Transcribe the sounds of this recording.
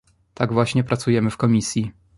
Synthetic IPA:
t̪aɡvwaɕɲɛpɾat̪sujɛmɘfkɔmʲisʲji

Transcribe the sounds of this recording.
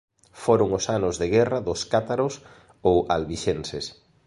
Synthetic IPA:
foɾʊŋʊsanʊzðeɣɛraðʊskat̪aɾos | owalβiʃenses

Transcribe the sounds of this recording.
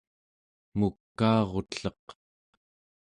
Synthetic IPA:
mukːɑːʁo̞t̪ɬʌq

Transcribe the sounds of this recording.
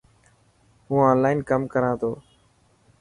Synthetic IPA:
ɦũːãːnlaːinkəmkəɾãːt̪ʰoː

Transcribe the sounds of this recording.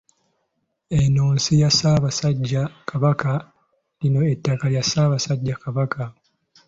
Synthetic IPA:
enoːnsijasaːβasaɟːakʰaβaka | lino̞etːakaljasaːβasaɟːakaβaka

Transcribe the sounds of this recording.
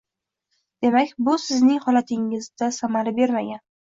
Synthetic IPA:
d̪̥e̞makʲbʊsɪznɪŋhɒlat̪ʰɪŋɪzd̪asamaɾabe̞ɾmaɡʲan

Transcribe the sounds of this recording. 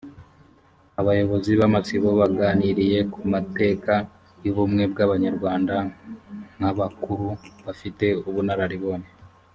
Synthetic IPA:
aβajo̞βo̞ziβamat͡siβo̞βaɡaːniɾije̞kumate̞ːka | juβumŋe̞b̚ɡaβaɲaɾɡwaːnda | n̥haβakuɾuβafite̞uβunaɾaɾiβo̞ːne

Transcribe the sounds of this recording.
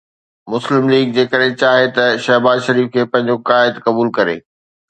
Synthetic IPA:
mʊslɪmliːɡ̚d͡ʑeːkəɗɦɪ̃t͡ɕaːɦet̪ɐʃɐɦbaːzʃɐɾiːfkʰeːpɐ̃ɦɪ̃ɲd͡ʑokaːɪd̪kɐbuːlkɐɾḛː

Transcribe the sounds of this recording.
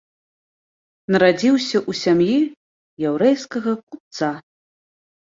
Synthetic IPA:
nɐɾad͡zʲiwsʲɐʔusʲamji | jɛwɾɛjskɐɣɐkup̚t̪sa

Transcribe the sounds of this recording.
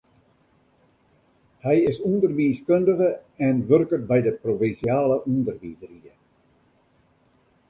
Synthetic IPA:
hɛjɪsundərʋiːskøndəɣəɛnʋørkət̚bɛjdəprovinsjaːləʔundərʋiːzəriə

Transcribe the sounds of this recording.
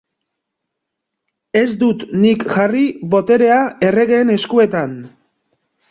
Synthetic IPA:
e̞zd̪ut̪nikʝariβo̞t̪e̞ɾe̞ae̞re̞ɣeːne̞skue̞t̪an

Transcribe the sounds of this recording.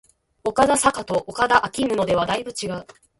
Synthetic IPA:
o̞kad̪asakat̪o̞ʔokad̪aʔakʲimɯ̟no̞d̪e̞β̞ad̪aibɯ̟t͡ɕiɡaɯ̟

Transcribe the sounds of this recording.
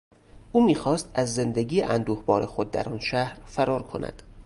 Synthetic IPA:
ʔuːmiːxɒːst̪æzːe̞nd̪eɡiːjeʔænd̪uːhbɒːɾexo̞d̪̚ːæ̰ɾɒːnʃæhɾfæɾɒːɾkʰo̞nʔæ̰d̪̥

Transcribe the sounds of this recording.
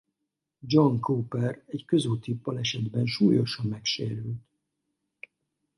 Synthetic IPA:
d͡ʒoŋkoːpɛrɛckø̞zyːlt̪ipːɒlɛʃɛd̪bɛnʃuːjo̞ʃɒmːɛkʃeːɾylt̪

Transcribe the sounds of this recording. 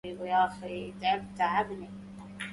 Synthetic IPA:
ibjaːxit̪ʕɪbt̪aʕabni

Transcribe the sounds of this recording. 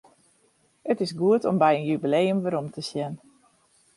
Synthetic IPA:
ətɪsɡuətɔmbɛjənjybilejəmʋəɾomtəsjɛn

